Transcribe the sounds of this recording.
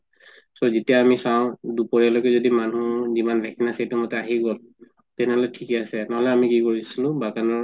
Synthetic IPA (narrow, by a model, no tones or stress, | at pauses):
sozitijaːmisaw̃dupɔɹialokɛzodimanuzimanbʱɛkʰinasetumɔtɛaɦiɡol | tɛnɛɦɔlɛtʰikɛasɛnaɦɔlɛamikikoɹisilʊ̃bakanɔ